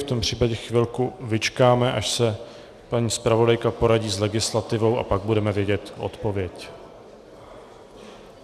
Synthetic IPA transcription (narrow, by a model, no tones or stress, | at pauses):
ft̪o̞mpr̝̥iːpaɟɛxvɪlkuvɪt͡ʃkaːmɛʔaʃsɛ | paɲiːspɾavo̞dajkapo̞ɾaɟiːzlɛɡɪslat̪ɪvo̞wʔa̰paɡ̚budɛmɛvjɛɟɛt̪ʔo̰t̪po̞vjɛc